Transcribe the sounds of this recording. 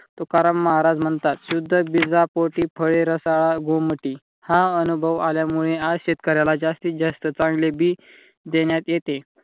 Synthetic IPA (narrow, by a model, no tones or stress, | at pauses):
t̪okaɾəmːəɦaɾad͡zm̤əɳt̪at̪ɕud̪ʱːəbid͡zapoʈiːpʰəɭeɾəsaɭaɡoməʈi | hãənubʱəʋaljamuɭead͡zɕet̪kəɾajlad͡ʑast̪iːd͡zast̪ət͡sãŋɡlebʱiː | d̪eɳjat̪jet̪e